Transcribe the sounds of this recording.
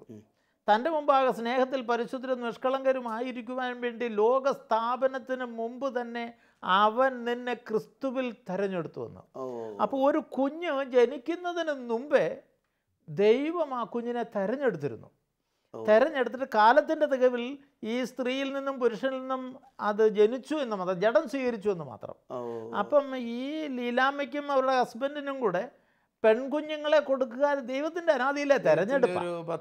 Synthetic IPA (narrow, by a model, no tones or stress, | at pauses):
t̪ɐnde̞mumbaːɣɐsne̞ːhɐt̪ːilpɐɾiɕod̪ːitːɐnmiʂkɐɭɐŋɡɐɾumaːjiɾikʲːuʋaːnʋe̞ːɳɖilo̞ːɡɐst̪ʰaːbɐnɐt̪ːinɨmumbɨt̪ɐnːe̞ | ɐʋɐnninːe̞krɨst̪uʋilt̪eɾɐɲːe̞ɽut̪ːuʋɐ̰nːṵɐpːoːɭo̞ɾukuɲːɨd͡ʑe̞nikʲːunːɐðinɨnumbe | d̪e̞jʋɐmaːkuɲːine̞t̪eɾɐɲːe̞ɽut̪ːiɾṵnːṵ | t̪eɾɐɲːe̞ɽut̪ːiɾkaːlɐt̪ːinde̞t̪iɣɐʋil | iːst̪riːjilninːumpuɾuʂɐnilninːum | ɐðɨd͡ʑe̞nit͡ɕːue̞nːɨmaːt̪rɐmd͡ʑeɽɐnswiːɣɐɾit͡ɕːue̞nːɨma̰ːt̪rɐ̰mɐ̰pːɐmiːlilaːmik̬ʲːumɐʋɐɾuɽehɐsbendinumkuːɽe̞ | pe̞ɳkuɲːuŋːɐɭe̞ko̞ɽukːuɣaːd̪e̞jʋɐt̪ːindeɐnaːd̪ijilːet̪eɾɐɲːeɽupːa̰